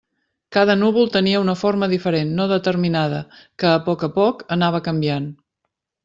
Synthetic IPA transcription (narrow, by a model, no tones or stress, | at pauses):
kaðənuβulˠt̪əniəunəfoɾməðifəɾenːoðət̪əɾminað̞ə̰kəːpɔkəpɔkənaβəkəmbian